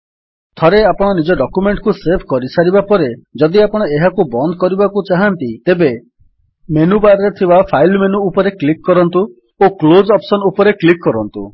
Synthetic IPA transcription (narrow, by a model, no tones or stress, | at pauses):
t̪ʰɔɾeapɔɽ̃ɔnid͡ʒɔɖɔkumeɳʈkusepʰkɔɾisaɾibapɔɾed͡ʒɔd̪iapɔɽ̃ɔeɦakubɔnd̪ʱɔkɔɾibakut͡ʃaɦant̪it̪ebe | menubaɾɾet̪ʰibapʰajlmenuːpɔɾeklikːɔɾɔnt̪u | oklod͡ʒɔpsɔnupɔɾeklikːɔɾɔnt̪ṵ